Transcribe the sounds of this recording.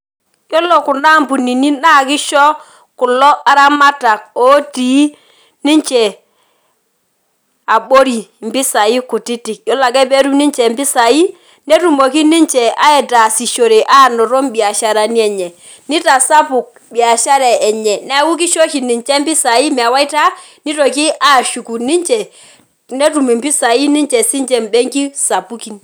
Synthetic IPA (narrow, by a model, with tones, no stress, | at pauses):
jɔ˦lɔ˨ku˨na˦˨mbu˨ni˨ni˦na˦˨ki˦ʃɔ˦ | ku˨lɔ˦ʔa˦ɾa˦ma˦ta˨k̚oː˨˦ti˨˦ | ni˦ɲt͡ʃɛ˨ | a˨ɓo˦ɾi˨mbi˦sa˨i˦ku˨ti˦ti˨kjɔ˦la˨kɛ˦be˦ɾu˦ni˦ɲt͡ʃɛ˨mbi˦sa˨i˦ | nɛ˦tu˨mo˨ki˦ni˦ɲt͡ʃɛ˨a˦ɛ˨ta˨si˨ʃo˨ɾe˨ʔa˦˨nɔ˨ɾɔ˦mbi˨a˨ʃa˨ɾa˨ni˦ɛ˨ɲɛ˨ | ni˦ta˨sa˦pu˨k̚ | bi˨a˨ʃa˦ɾɛ˨ɛ˨ɲɛ˨nɛ˦a˦wu˦k̬i˦ʃɔ˦ʃi˨ni˨ɲt͡ʃɛ˦mbi˦sa˨i˦mɛ˨a˨wa˦i˦ta˦ | ni˦tɔ˨ki˦ʔa˦˨ʃu˨ku˨ni˦ɲt͡ʃɛ˨ | nɛ˦tu˨me˨mbi˦sa˨i˦ni˦ɲt͡ʃɛ˨si˦ɲd͡ʒɛ˨mbɛ˦ŋki˦sa˨pu˦ki˨n